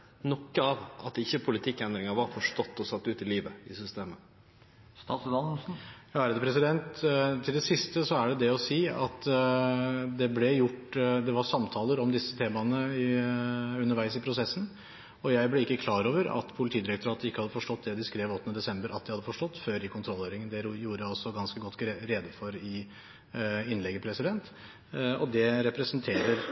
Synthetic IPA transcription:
nɔkːəɑʋɑ̰t̪ɪçːəpʰʊlɪt̪ʰɪkːɛnd̪ɾɪŋəʋɑɾfɔʂʈɔt̪ːɔsɑt̪ːʉːt̪ɪliːʋəɪsʏst̪eːmə | sɑsd̪ɑsn̩jɑːæɾd̪ɛpʰɾɛsɪd̪ɛnt̪t̪ʰːɪld̪ɛsɪst̪əsɔæɖɛd̪ɛɔsiːɑt̪ | d̪ɛblɛjʊʈːd̪ɛʋɑɾsɑmt̪ʰɑːləɾɔmd̪ɪsːət̪ʰeːmɑnəɪ | ʉnːəɾʋæɪsɪpʰɾʊsɛsːn̩ | ɔjæɪblɛɪkːəkʰlɑːɾoːʋəɾɑ̰t̪pʰʊlɪt̪ʰiːd̪ɪɾɛk̚t̪ʊɾɑːt̪ɪkːəhɑd̪ːəfɔʂʈɔt̪̚ːd̪ɛd̪ɪskɾeːʋɔt̪ːnəd̪ɛsɛmbəɾʔɑ̰t̪̚d̪ɪhɑd̪ːəfɔʂʈɔt̪ːføːɾɪkʰʊnt̪ʰɾɔlhøːɾɪŋənd̪ɛjuːɾəjæɔsːɔɡɑnskəɡɔt̪ːɾeːd̪əfɔɾɪ | ɪnlɛɡːəpʰɾɛsɪd̪ɛnt̪ | ɔd̪ɛɾɛpɾɛsnt̪ʰeːɾəɾ

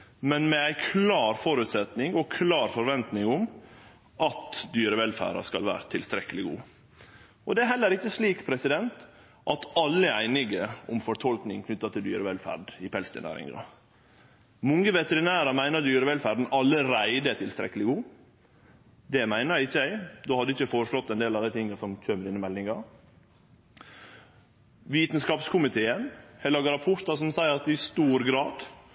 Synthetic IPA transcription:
mɛnmɛæɪkʰlɑːɾfɔɾʉt̪sɛt̪nɪŋɔkʰlɑːɾfɔɾʋɛnt̪nɪŋʊm | ʔɑt̪d̪yːɾəʋɛlfæ̰ːɾɑ̰skɑlʋæ̰ːɾət̪ʰɪlst̪ɾɛkːəlɪɡṵː | ʔɔd̪ɛæɾɦɛlːəɾɪçːəsliːkpʰɾɛsɪd̪ɛnt̪ | ʔɑt̪ɑlːəæɪnɪɡəʊmfɔʈ̪ʰɔlknɪŋkʰnʏt̪ːɑt̪ʰɪld̪yːɾəʋɛlfæ̰ɖɪpʰɛlst̪ə̰næ̰ːɾɪ̰ŋɾɑ̰ | mʊŋəʋɛt̪əɾɪnæːɾəmæɪnəɾd̪yːɾəʋɛlfæːɾɖ̪n̩ɑlːəɾæɪd̪ət̪ʰɪlst̪ɾɛ̰kːəlɪɡuː | d̪ɛmæɪnəɾæɪçːəæɪd̪oːhɑd̪əɪçːəfoːɾəʂɭɔt̪ːɛnd̪eːlɑd̪æɪt̪ʰɪŋːɑsɔmc͡çʰøːməɾɪnɪmɛlːɪŋɑ | ʋiːt̪nskɑːpskʰʊmɪt̪ʰeːənhɛlɑɡɑɾɑpʰʊɾt̪ɑsɔmsæɪəɾɑt̪ɪst̪uːɾɡɾɑːd̪

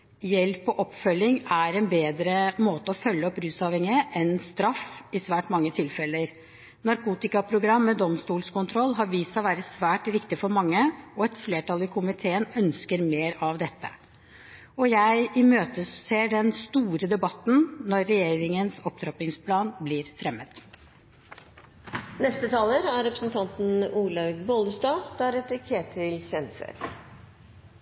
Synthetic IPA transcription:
jɛlpɔʔɔpːfœlːɪŋæɾɛnbeːd̪ɾəmoːt̪əɔfœlːəɔpːɾʉːsɑːʋhɛŋɪəʔɛnst̪ɾɑfɪsʋæːʈmɑŋːət̪ʰɪlfɛlːəɾ | nɑɾkʰuːt̪ɪkɑpʰɾʊɡɾɑmːɛd̪ɔmst̪uːlskʊnt̪ʰɾɔlːɦɑɾʋiːsɑʋæːɾəsʋæːʈɾɪkt̪ɪfɔɾmɑŋːəɔɛt̪fleːʈɑlɪkʰʊmɪt̪ʰeːənœnskəɾmeːɾɑʋd̪ɛt̪ːə̰ | ɔjæɪɪmøːt̪əseːɖɛnst̪uːɾəd̪ɛbɑt̪ːn̩nɔɾːɛjeːɾɪŋənsɔpt̪ʰɾɑpɪŋspʰlɑːnblɪɾfɾɛmːət̪ | nɛst̪ət̪ʰɑːləɾæɾɾɛpɾəsnt̪ʰɑnt̪n̩uːlɑɡboːləsd̪ɑːd̪̥æɾɛt̪ɪkʰeːʈʰɪlçɛnsə̰ɾ

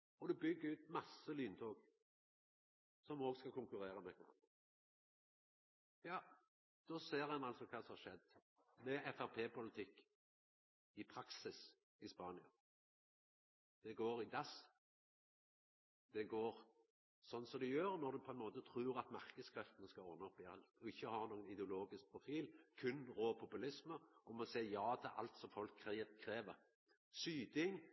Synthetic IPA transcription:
ɔd̪ʉbʏɡːəʉːt̪mɑsəlyːnt̪ʰoːɡ | sɔmɔːɡskɑkʰʊŋkʉɾeːʁəmɛkʰʋɑ̰n | jɑː | d̪̥ɔseːɾɛnɑlsɔkʰɑːsɔmhɑʂʃɛd̪ | mɛɛfæʁpʰeːpʰʊlɪt̪ʰɪkː | ɪpʰɾɑksɪs | ɪspɑːnɪɑ | d̪̥ɛɡoːɾɪd̪ɑs | d̪̥ɛɡoːɾ | sɔnːsɔd̪ʉjøːɾnɔɾd̪ʉpʰɔɛnmoːt̪ət̪ʰɾʉːɾɑt̪mɑʁkəd̪skʰɾœft̪ənəskɑɔnːəpjæʁld̪ʊɪçːəhɑʁnoːɡənɪd̪ɛʊloːɡɪsk̚pʰʁʊfiːlkʰʉnɾoːpʰʊpʉlɪsməʔɔmɔsæɪjɑːd̪ɛɛɾʔɑ̰lt̪sɔfɔlkʰːɾɛːkʰːɾeːʋəʁ | syːd̪ɪŋ

